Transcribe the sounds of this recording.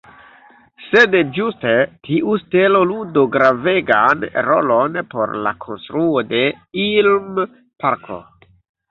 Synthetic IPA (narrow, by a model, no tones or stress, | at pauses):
sedd͡ʒustetʰiʔusteloludoɡɾaveɡanɾolo̞npo̞̰ɾla̰kʰonstɾuode̞ | ilm | paɾkʰo̰